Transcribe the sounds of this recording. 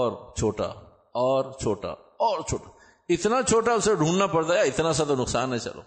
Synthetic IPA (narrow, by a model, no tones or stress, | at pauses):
ɔːɾt͡ʃʰoːʈa̰ | ɔːɾt͡ʃʰoːʈa̰ | ɔːɾt͡ʃʰoːʈḁ | ɪt̪nat͡ʃʰoːʈ̬aʊseɖʱũːɳɖnapɐɽt̪aɦjaɪt̪nas̬at̪onʊksa̰ːnːɐ̃t͡ʃɐ̰lo̰ː